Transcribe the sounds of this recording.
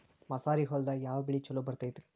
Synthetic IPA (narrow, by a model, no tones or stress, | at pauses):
mɐsaːɾiɦɔld̪ɐjaːʋɐbiɭit͡ʃɐlːubɐɾt̪ajt̪ɾi